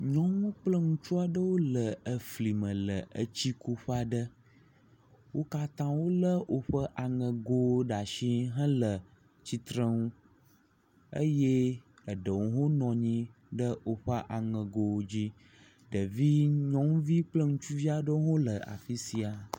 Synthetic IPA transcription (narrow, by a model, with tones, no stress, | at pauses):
ɲɔ̃˦ŋũ˦k͡plə˦ŋũ˦t͡ʃu˦a˨ɖə˦wo˦lə˨ə˨fli˨mə̃˨lə˨ʔə˦t͡ɕi˦ku˦ɸa˨ɖə˦ | wo˦ka˦t̪ã˦wo˦lə˦wʔo˨ɸə˦ʔa˨ŋə̃˨ɡo˦ɖa˨ʃĩ˦ɦə̃˦lə˨ | t͡ɕi˨t̪ɾə˦ŋũ˦ | ə̰˦je˦ | ə˨ɖə˨wŋu˦ɦo˦nɔ̃˨ɲĩ˦ | ɖə˦o˦ɸə˦ʔa˨ŋə̃˨ɡo˨˦d͡ʑi˦ | ɖə˨vi˦ɲɔ̃˦ŋ˦vi˦k͡plə˦ŋũ˦t͡ʃu˦vi˦a˨ɖə˦wo˦ɦõ˦lə˨a̰˨fi˦si˨a˨